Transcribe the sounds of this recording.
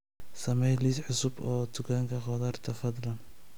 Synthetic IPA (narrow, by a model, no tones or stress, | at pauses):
sɐmɛjlisʕʊsʊbɔːd̪ʊkʰaːŋkʰɐχɔðaːrt̪ʰɐfɐd̪lɐn